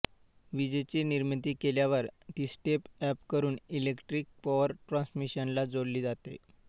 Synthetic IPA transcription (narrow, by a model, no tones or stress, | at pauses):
ʋid͡ʑet͡ɕiːniɾmət̪iːkeljaʋəɾt̪iːsʈepɛpkəɾuːnilekʈɾiːk̚pɔʋəɾʈɾɔ̃nsmiɕənlad͡zoɽliːd͡zat̪ḛ